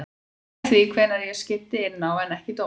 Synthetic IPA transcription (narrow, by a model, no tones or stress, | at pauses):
θvikʰvɛnːaɾjɛscɪht̪ɪɪnːawɛnɛhcɪt̪o